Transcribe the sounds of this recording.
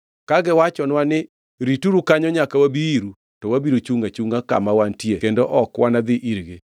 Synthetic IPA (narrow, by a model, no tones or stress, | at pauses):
kaɡɛwat͡ʃɔnwanɪ | ɾituɾukaɲɔɲakawabiiɾu | tɔwabiɾut͡ʃuŋɡat͡ʃuŋɡaka̰mawantiekendoʔɔkwanad̪ɪʔiɾɡe